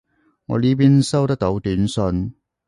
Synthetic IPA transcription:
ŋɔ̰ː˨˧liː˥p̬iː˥nsɐ˥wt̪ɐ˥k̚t̪o˨˧˥wt̪yː˨˥nsɵ˧n

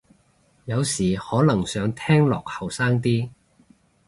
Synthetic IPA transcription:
jɐ˨˧wsiː˨˩hɔː˨˥lɐ˨˩ŋsœː˨˧ŋt̪ʰɛː˥ŋlɔ̰ː˨k̚hɐ˨˩wsaː˥ŋt̪̬iː˥

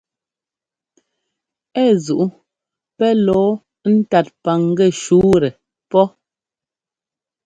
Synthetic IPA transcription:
ɛ˦˨zu˨ʔu˦ | pɛ˦lɔː˨˦ | n̩˦ta˨t̚pa˨ŋ˦ɡɛ˦˨ʃuː˨˦ɾɛ˨ | pɔ˦

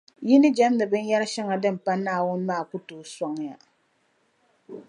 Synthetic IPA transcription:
ji˦nɨ˦d͡ʒɛ˦mnɨ˨bɨ˦njɛ˦ɾɨ˦ʃɛ˦ŋa˨dɨ˦˨m̩˨pa˦naː˦˨wʊ˦n˦maː˦˨ku˦toː˨sɔ˦ŋ˨ja̰˨

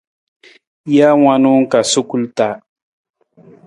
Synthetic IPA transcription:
ja˦wa˦nu˦ŋ˦ka˨su˦ku˦lta˨

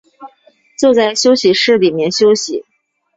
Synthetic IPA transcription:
t͡sjt͡sa˥˩ɪɕjo˥ʊɕi˧˥ʂɻ̩˥˩li˨˩mjɛ˥˩nɕjo˥ʊɕi˧˥

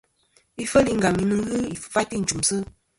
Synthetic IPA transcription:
i˦fə˦li˦ŋ̩ɡa˨mi˨˦nɨ˦ŋ˦ɣɨ˦i˨ffa˦ti˦˨n̩˨t͡ʃu˨msɨ˦

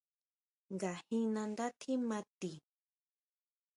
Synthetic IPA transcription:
ŋɡa˨hĩ˦nã˧nd̪a˦t̪ʰi˦mã˧t̪i˨

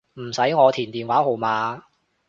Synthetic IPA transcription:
m̩˨˩sɐ˨˥jŋɔː˨˧t̪ʰiː˨˩nt̪iː˨nwaː˨˥ho˨wmaː˨˧

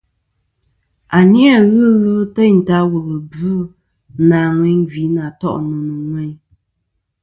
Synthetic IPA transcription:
a˨nja˦˨ɣɨ˦ɣɨ˦tə˦n̩˨ta˦wə˨ɣə˨bʉ˨˦ | naː˨ŋwɛ˨˦ŋvi˨˦na˨tɔ̰˦ʔnɨ˨nɨ˨ŋwɛ˨˦ɲ

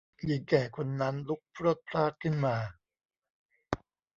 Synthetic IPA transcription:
ji˨˩˦ŋkɛː˨˩kʰo˧nːa˦˥nlu˦˥k̚pʰɾoː˥˩t̪̚pʰɾaː˥˩t̪̚kʰɯ˥˩nmaː˧

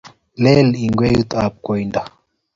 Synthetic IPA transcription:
lɛ˦li˨ŋɡwe˦ju˦t̪ap̚ko˨jnda

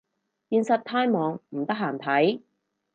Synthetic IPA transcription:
jiː˧nsɐ˨˧t̚t̪ʰːaː˥jmɔː˨˧ŋm̩˨˩t̪ɐ˥k̚ɦaː˨˩nt̪ʰɐ˨˥j

